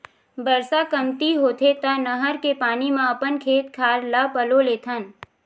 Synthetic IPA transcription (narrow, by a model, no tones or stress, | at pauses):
bəɾsakɐmt̪iɦoːt̪ʰep̪anɐɦəɾkepaːnimãɐpənkʰeːt̪kʰaːɾlapəloleːt̪ʰən